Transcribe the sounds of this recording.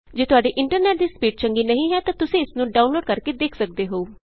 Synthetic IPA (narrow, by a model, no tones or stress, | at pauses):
d͡ʒeːt̪ʊaːɖeːʔɪɳʈəɾnɛːʈ̚d̪iːspiːʈ̚t͡ʃəŋɡiːnəɦĩːɦɛːt̪ãːt̪ʊsẽːɪsnũːɖaːʊnloːɖkəɾkeːd̪eːkʰsək̚d̪eːɦouː